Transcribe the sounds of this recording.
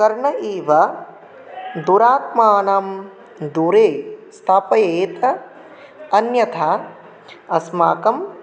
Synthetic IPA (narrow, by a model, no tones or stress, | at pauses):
kɐɾɳɐiːʋɐ | d̪uɾaːt̪̚maːnam | d̪uɾeːst̪ʰaːpɐjeːt̪ɐ | ɐnjɐt̪ʰaː | ɐsmaːkɐm